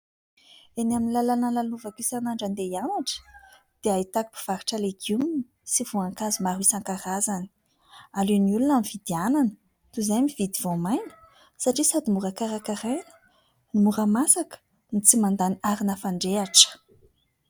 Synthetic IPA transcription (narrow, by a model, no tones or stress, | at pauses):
enaminilalanalaluvakisanaɳɖ͡ʐand̪ejanaʈ͡ʂə̥ | d̪̥eait̪aki̥pi̥v̥aɾiʈ͡ʂəleɡumni | siv̥uaŋkazumaɾwisaŋkaɾazani̥ | aluniulunamivid̪iananə̥ | t̪uzajmivid̪ivomajnə̥ | saʈ͡ʂisad̪imuɾakaɾakaɾenə̥ | nimuɾəmasakə̥ | nit͡simand̪aniaɾinəfaɳɖ͡ʐeaʈ͡ʂə̥